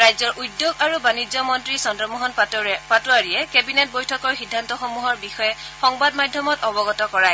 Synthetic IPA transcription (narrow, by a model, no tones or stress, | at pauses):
ɹajzɔɹʔudjoɡaɹubanizɔmɔntɹisɔndɔmɔɦɔnpatʊaɹijɛkebinet̚bojtʰɔkɔɹxidʱːantɔxɔmuɦɔɹbixɔjɛ | xɔŋbadmadʱjɔmɔtɔbɔɡɔtɔkɔɹaj